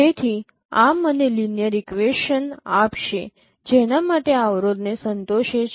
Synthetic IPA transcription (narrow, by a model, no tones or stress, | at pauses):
et̪ʰi | a̰mənelinjəɾikʋeʃənapʃe | d͡ʒenamaʈeaʋɾod̪nesənt̪oʃet͡ʃ